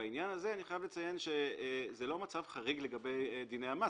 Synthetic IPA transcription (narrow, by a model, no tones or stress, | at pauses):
ainjanazeaniχajavlet͡saje̞nʃezelo̞mat͡savχaʁiɡle̞ɡabe̞jd̪inejhama